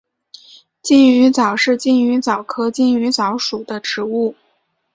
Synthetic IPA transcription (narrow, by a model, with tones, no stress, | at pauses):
t͡ɕi˥˩ny˧˥t͡sɑ˨˩ʊʂɻ̩˥˧t͡ɕi˥˩ny˧˥t͡sɑ˨˩ʊkʰɤ˥t͡ɕi˥˩ny˧˥t͡sɑ˧˥ʊʂu˨˩d̪ə˦ʈ͡ʂɻ̩˧˥u˥˩